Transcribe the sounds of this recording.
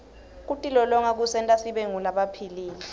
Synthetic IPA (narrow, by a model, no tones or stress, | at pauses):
k̬utʼilɔlɔŋak̬usɛntʼasiɓeŋulaɓapʰiliːli